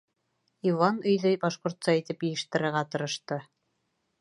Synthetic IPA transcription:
ivɑnɵ̆jðɵjbɑʃqŏɾt̪sɑit̪ɘpjɘ̆jɘ̆ʃt̪ɘ̆ɾɘ̆ɾʁɑt̪ɤ̆ɾɤ̆ʃt̪ɤ

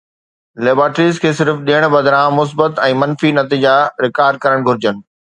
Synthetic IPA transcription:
leːbaːʈɾiːzkʰeːsɪɾfɗiːəɽ̃bɐd̪ɾãmʊs̬bət̪ɛ̃ːmɐ̃nfinɐt̪iːd͡ʑaɾɪkaːɾɖ̚kɐɾəɽ̃ɡʱʊɾɪd͡ʑənɪ̆

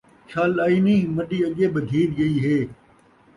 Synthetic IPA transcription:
t͡ʃʰaːlaːiːniːmɐɗiːɐʄeːbɪd̪ʱiːɾɡɐiːɦeː

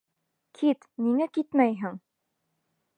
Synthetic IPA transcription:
kʰit̪niŋækit̪mæjɦɘŋ

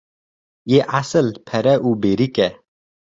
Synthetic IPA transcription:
jeʔasəlpʰɛɾɛʔuːbeɾikɛ

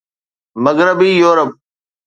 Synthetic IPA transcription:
məɡɾəbiːjoːɾəp̚

